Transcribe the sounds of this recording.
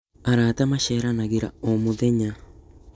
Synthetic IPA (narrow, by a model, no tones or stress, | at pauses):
aɾatamaʃeːɾanaɣiɾaomoðeɲa